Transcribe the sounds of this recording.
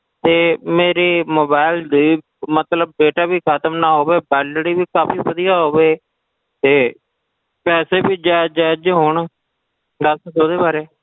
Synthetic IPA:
t̪eːmeːɾeːmoːbaːɪld̪iː | mət̪ləb̚ːeːʈaːbiːkʰət̪əmnaːɦoːʋeːbɛːlɽiːbiːkaːpiːbəd̪ijaːɦoːʋeː | t̪eː | pɛːseːbiːd͡ʒaːd͡ʒaːd͡ʒɦoːɳ | ɖ̪əssoːd̪eːbaːɾeː

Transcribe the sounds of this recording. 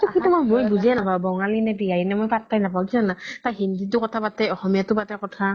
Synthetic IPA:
tukʰitumamojbuzɛnapabɔŋalinɛbiɡajɛnɛmojpat̚pajnapawkisanataɦindit̬ʊkɔtʰapatɛɔxɔmijatʊpatɛkɔtʰa

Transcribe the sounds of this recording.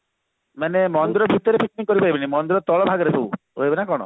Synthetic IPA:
manemɔnd̪iɾɔbʱit̪ɔɾepik̚niŋkːɔɾipaɾibinimɔnd̪iɾɔt̪ɔɭɔbʱaɡɔɾet̪ʰew | oebenakɔɽ̃ɔ̰

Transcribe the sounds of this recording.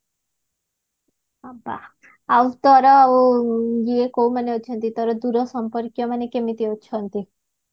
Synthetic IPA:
aba̰ | awt̪ɔɾɔauɡiekowmaneot͡ʃʰɔnt̪it̪ɔɾɔd̪uɾɔsɔmpɔɾkjɔmanekemit̪iot͡ʃʰɔnt̪i

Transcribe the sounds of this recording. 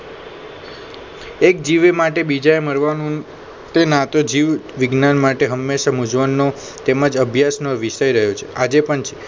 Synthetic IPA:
ek̚d͡ʒiʋemaʈebid͡ʒaeməɾʋanũ | t̪enat̪od͡ʒiʋʋɪɡnanmaʈeɦəmːeʃamud͡ʒʋənːo | t̪eməd͡ʒəbʱjasnoʋiʃəjɾəɦjot͡ʃʰe̥ad͡ʒepəɳt͡ʃʰe̥

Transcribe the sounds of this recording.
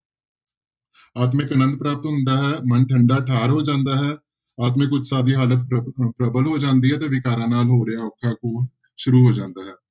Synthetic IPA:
aːt̪̬mẽːkənə̃nd̪̚pɾaːp̚t̪ɦʊ̃nd̪aːɦɛːmənʈʰəɳɖaːʈʰaːɾɦoːd͡ʒãːnd̪aːɦɛː | aːt̪̬mẽːkʊt͡ʃʰsaːd̪iːɦaːlət̪pɾəbəlɦoːd͡ʒãːnd̪iːɦɛːt̪eːʋɪkaːɾãːnaːlɦoːɾejãɔːkʰːãːkõː | ʃʊɾuːɦoːd͡ʒãːnd̪aːɦɛː

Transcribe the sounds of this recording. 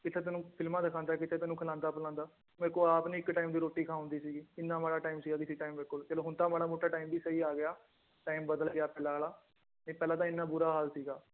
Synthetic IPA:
kɪt̪ʰeːt̪ɛːnũːpʰɪlmãːd̪ɪkʰãːnd̪aːkɪt̪ʰeːt̪ɛːnũkʰəlãːnd̪aːpəlãːnd̪aː | mɪlkoːaːpnːɪkʈaːiːmd̪iːɾoːʈːiːkʰaːʊ̃nd̪iːsiːɡiːɪnːãːmaːɽaːʈaːimsiːɡaːkɪsiːʈaːimbɪlkʊlt͡ʃɛːloːɦʊnt̪ãːmaːɽaːmoːʈːaːʈaːimbiːsəiːaːɡɪjaː | ʈaːimbəd̪əlɡɪjaːpɛːlaːlaː | nẽːpɛːlãːt̪ãːɪnːãːbʊːɾaːɦaːlsiːɡaː

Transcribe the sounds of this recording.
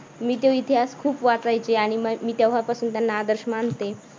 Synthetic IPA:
miːt̪̬jeʋit̪ʰiɦaskʰuːpʋat͡sajt͡seaɽ̃imiːt̪jaʋɦapasuːnt̪janːaːd̪əɾɕmant̪e

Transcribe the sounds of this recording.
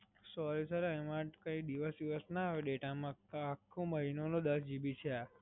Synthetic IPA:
sɔɾisəɾɛmãkəid̪iʋəsd̪iʋəsnaaʋeɖeʈamãakʰːõməɦinonõd̪əsd͡ʒibit͡ʃʰea

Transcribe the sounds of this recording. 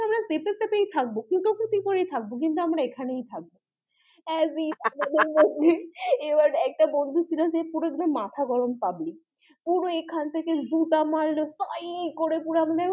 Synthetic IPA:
amɾasepesepejt̪ʰak̚bokit̪okʰot̪ipoɾejt̪ʰak̚bok̬int̪̬uamɾaekʰanejt̪ʰak̚bo | ɛziamad̪eɾmod̪ʱːeebaɾɛk̚ʈabond̪ʱut͡ɕʰilasepuɾod̪inomat̪ʰaɡɔɾompabli | puɾoekʰant̪ʰekezuʈamaɾlosajekoɾepuɾoamad̪eɛ

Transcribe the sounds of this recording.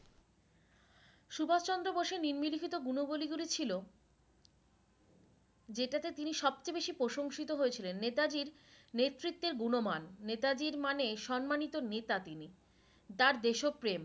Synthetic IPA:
ʃubʱad͡ʑt͡ɕɔnd̪ɾoboʃeniɾmilikit̪oɡunoboliɡulit͡ɕʰilo | d͡ʑeʈat̪et̪iniʃɔb̚t͡ɕebeʃipɾoʃoŋʃit̪oɦoet͡ɕʰilenːet̪ad͡ʑiɾ | net̪ːɾit̪ːeɾɡunomanːet̪ad͡ʑiɾmaneʃɔnmanit̪onet̪at̪ini | t̪aɾd̪eʃopːɾem

